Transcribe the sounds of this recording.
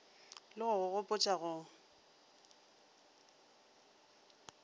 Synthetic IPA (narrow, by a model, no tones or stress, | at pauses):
lɪɣʊɣʊɣʊpʼʊt͡ʃʼaɣʊ